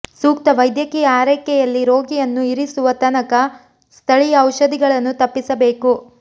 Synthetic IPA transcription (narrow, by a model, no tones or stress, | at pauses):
suːkt̪ɐʋɐjd̪jɐkiːjɐaːɾɐkɛjɐlːiɾoːɡijɐnːuiɾisuʋɐt̪ɐnɐkɐ | st̪ʰɐɭijɐɐwʃɐd̪iɡɐɭɐnːut̪ɐpːisɐbe̞ːku